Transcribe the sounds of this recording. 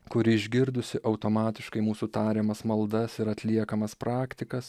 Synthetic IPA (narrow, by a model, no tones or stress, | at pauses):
kʊɾʲɪɪʒʲɡʲɪɾd̪ʊsʲɪʔɐʊt̪oːmɑːt̪ʲɪʃkɐɪmuːsut̪ɑːɾʲeːmɐsmɐlˠd̪ɐsɪɾɐt̪ʲlʲiɛkɐmɐspɾɑːkt̪ʲɪkɐs